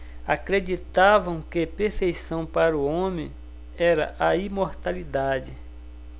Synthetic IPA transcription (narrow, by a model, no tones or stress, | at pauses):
akɾed͡ʒit̪avɐ̃w̃kepeɾfejsɐ̃w̃paɾuõmẽ | ɛɾɐ̰ʔaimoɾt̪alid̪ad͡ʒɪ